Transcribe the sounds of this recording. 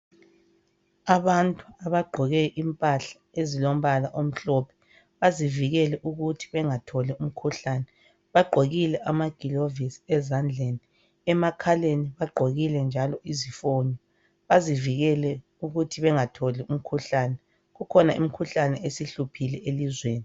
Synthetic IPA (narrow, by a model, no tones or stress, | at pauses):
aβantʼuaβaɡ͡ǃʱɔɣɛʔimpʼaɬḁezilom̩βalaʔom̩ɬɔpʰɛ̥ | βaziviɣɛlɛʔuɣutʰi̥βɛŋatʰɔlɛum̩kʰuɬaːnɛ | βaɡ͡ǃʱoɣilɛʔamaɡ̥ʱilovisi̥ɛzand͡ɮʱeni | ɛmakʰaleniβaɡ͡ǃʱoɣilɛnd͡ʒʱalɔʔizifonɔ | βaziviɣɛlɛ | uɣutʰiβɛŋatʰɔlɛum̩kʰuɬaːnɛ | ɣukʰɔnaḭm̩kʰuɬanɛʔesiɬupʰilɛʔelizweːni